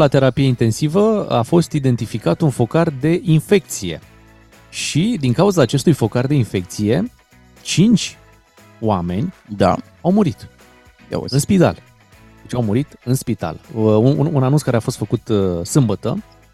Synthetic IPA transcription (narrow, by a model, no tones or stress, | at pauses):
lat̪e̞ɾapijeint̪e̞nsivəa̰fo̞st̪id̪e̞nt̪ifikat̪unfo̞kard̪e̞ʔinfe̞k̚t̪sije̞̰ | ʃid̪iŋkauzaːt͡ʃe̞st̪ujfo̞kard̪e̞infe̞k̚t̪sije̞ | t͡ʃint͡ʃʲ | owame̞nʲd̪a̰ | awmuɾit̪ | ɨnspit̪a̰l | d̪e̞t͡ʃawmuɾit̪ɨnspit̪a̰lununanunskaɾeafost̪fəkut̪sɨmbət̪ə̰